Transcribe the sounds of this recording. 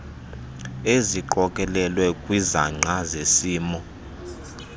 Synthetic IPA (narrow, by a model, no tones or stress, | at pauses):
eziǃɔkʼɛlɛlwɛkʼwizaŋ͡ǀʱazesiːmɔ